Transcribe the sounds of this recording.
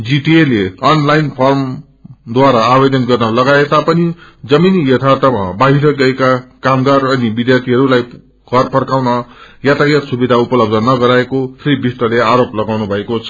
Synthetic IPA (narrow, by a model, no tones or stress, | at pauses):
d͡ziʈieleʌnlajnpʰʌrm | d̪waɾaːbed̪ʌnɡʌrnʌlʌɡaet̪apʌnid͡zʌminjʌt̪ʰat̪ʌmabaɦiɾʌɡʌekakamɡarʌnibid̪jart̪ʰiɦʌɾulaj | ɡ̥ʱʌrpʰʌrkawnʌjat̪ajʌt̪subid̪ʱaupʌlʌb̚d̪ʱʌnʌɡʌɾaekopʰeɾibist̪ʌleaɾoplʌɡawnubʱʌekot͡sʰʌ